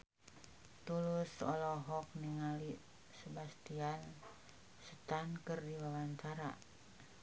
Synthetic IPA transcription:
t̪ulusɔlɔɦɔk̚niŋali | səbast̪ian | sət̪ankɨrdiwawaɲt͡ʃaɾa̰

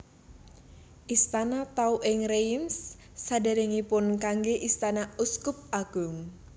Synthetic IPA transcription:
ʔist̪anat̪auʔɪŋreimsː | adaɾɪŋipʊnkaŋɡeʔist̪anauskʊp̚aɡ̥uŋ

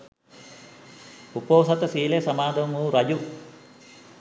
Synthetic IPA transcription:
upoːsɐt̪ɐsiːlesɐmaːd̪ʱɐmuɾɐd͡ʒu

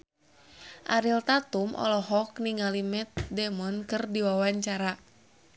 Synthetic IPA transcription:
ʔaɾilt̪at̪umʔɔ̰lɔɦɔk̚niŋalimɛt̪̚dɛmɔnkɨrdiwawaɲt͡ʃaɾa

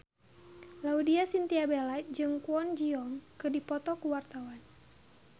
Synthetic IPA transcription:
laudiasint̪iabelad͡ʒɨŋkuɔnd͡ʒiɔŋkɨdipɔt̪ɔkuwart̪awan

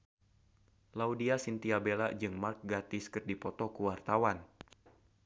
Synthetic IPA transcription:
laudiasint̪iabelad͡ʒɨŋmark̚ɡat̪ɪskɨrdipɔt̪ɔkuwart̪awan

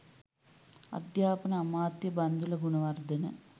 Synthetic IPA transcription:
ɐ̰d̪jaːpɐnɐːmaːt̪jɐbɐnd̪ulɐɡuɳɐʋɐrd̪ʱɐnɐ̰

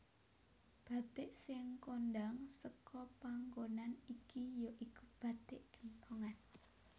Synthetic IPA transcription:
b̥ä̤t̪ɪʔsɪŋkondaŋsəkɔpaŋɡonanikijoʔikub̥ä̤t̪eʔkə̥nt̪ʰoŋan

